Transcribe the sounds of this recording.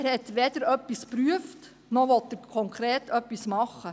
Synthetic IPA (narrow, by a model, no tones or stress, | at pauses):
ɾhɛt̪ʋeːd̥̪əɾœpːispɾyəft | nɔʋɔt̪ːəɾkʰɔŋkʰɾeːtœpːismɑχːə